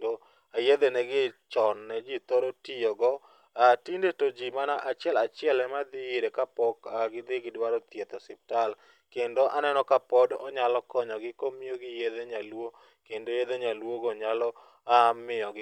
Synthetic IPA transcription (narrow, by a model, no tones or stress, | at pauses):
do | ajed̪enɛɡɪt͡ʃɔnːɛd͡ʒit̪oɾotijoɡɔ | atindetod͡ʒimanaʔat͡ʃɪɛlat͡ʃɪɛlɛmad̪ɪiɾekapɔkaɡɪd̪ɪɡɪdwaɾot̪jet̪ɔsip̚tal | kendoʔanɛnɔkapɔdɔɲalɔkɔɲɔɡɪkomioɡɪjed̪eɲalwo | kendojed̪eɲalwoɡoɲalɔ | amɪjɔɡɪ